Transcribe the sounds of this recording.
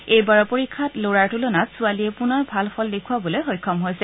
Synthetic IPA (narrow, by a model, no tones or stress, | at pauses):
ejbaɹɔpoɹikʰːatloɹaɹtulɔnatsualiɛpunɔɹbʱalfʰɔldekʰuabɔlojɦojkʰːɔmɦojsɛ